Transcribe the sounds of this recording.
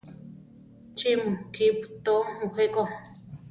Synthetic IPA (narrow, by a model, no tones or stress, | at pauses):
t͡ʃimkipt̪omũxeko